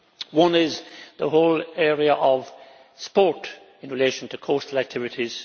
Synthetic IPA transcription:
wʌ̃nɪzðəɦoʊlɛɹiəʔʌv̥ | spɔɹt | ɪ̃nɹɪleɪʃə̃n̩tʰɨkʰostlæk̚tʰɪvɨɾʰiz̥

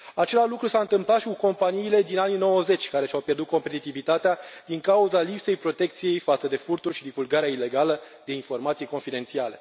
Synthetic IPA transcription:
at͡ʃe̞laʒlukɾusaɨnt̪ɨmplat̪ʃikuko̞mpaniːle̞d̪inanino̞wəze̞t͡ʃʲkaɾe̞ʃawpje̞rd̪ut̪̚ko̞mpe̞t̪it̪ivit̪at̪ead̪̥iŋkauzalipse̞jpɾo̞t̪e̞k̚t̪sije̞jfat̪səd̪e̞furt̪ulʃid̪ivulɡaɾeaile̞ɡalə | d̪̥e̞info̞rmat̪sijko̞nfid̪e̞nt̪siale̞

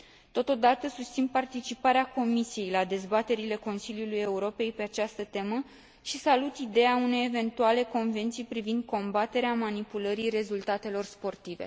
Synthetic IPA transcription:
t̪o̞t̪o̞d̪at̪əsust̪sinpart̪it͡ʃipaɾeako̞misije̞jlad̪e̞zbat̪e̞ɾile̞ko̞nsiljuluje̞uɾo̞pe̞jpe̞at͡ʃast̪ət̪e̞mə | ʃisalut̪id̪e̞aune̞jeve̞nt̪uale̞ko̞nve̞nt̪sijpɾivind̪̚kʰo̞mbat̪e̞ɾeamanipuləɾire̞zult̪at̪e̞lo̞rspo̞rt̪ive̞̰

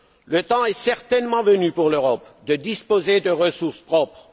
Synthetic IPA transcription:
lət̪ɑ̃ɛsɛʁt̪ɛnmɑ̃vənypuʁløʁɔpd̪əd̪ispozed̪əʁəsuʁspχɔpχ

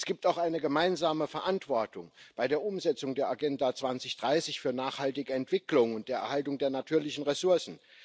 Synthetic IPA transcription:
sɡ̥iːp̚taʊxʔaɪnəɡəmaɪnzaːməfɛɐʔantv̥ɔɐtʊŋb̥aɪdeːɐʔʊmzɛt͡sʊŋdeːɐʔaɡɛndat͡sv̥ant͡sɪçd̥ʁaɪsɪçfyːɐnaːχhaltɪɡəɛntv̥ɪklʊŋʊnt̚d̥eːɐʔɛɐhaltʊŋdeːɐnatʰyːɐlɪçn̩ʁesʊɐsn̩

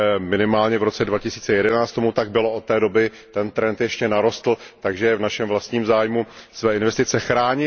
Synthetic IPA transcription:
mɪnɪmaːlɲɛvɾo̞t͡sɛdvacɪsiːt͡sɛjɛdɛnaːt͡st̪o̞mut̪aɡ̚bɪlo̞ʔot̪ːɛːdo̞bɪ | t̪ɛnt̪ɾɛnt̪jɛʃcɛnaɾo̞st̪l̩t̪aɡʒɛvnaʃɛmvlast̪ɲiːmzaːjmusvɛːɪnvɛst̪ɪt͡sɛxɾaːɲɪ

